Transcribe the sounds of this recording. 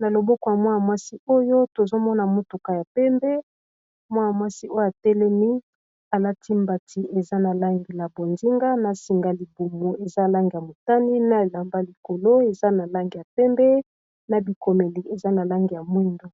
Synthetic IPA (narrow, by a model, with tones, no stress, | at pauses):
na˨lo˨bɔ˦kɔ˨ja˨mwa˦ja˨mwa˦si˦o˦jo˦to˨zo˦mɔ˦na˨mo˦tu˨ka˨ja˨pɛ˦mbɛ˦ | mwa˦ja˨mwa˦si˦ʔo˦jo˦˨a˨tɛ˦lɛ˦mi˦ | a˨la˦tʰi˦mba˨tʰi˨ʔe˨za˦na˨la˦ŋɡi˨la˨bo˨nzi˦ŋɡa˦na˨si˨ŋɡa˨li˨bu˨mo˨e˨za˦˨la˦ŋɡi˨ja˨mo˨ta˦ni˦na˦e˨la˨mba˦li˨ko˨lo˦e˨za˦na˨la˦ŋɡi˨ja˨pɛ˦mbɛ˦ | na˨bi˨ko˨me˨li˨e˨za˦na˨la˦ŋɡi˨ja˨mwi˦ndo˦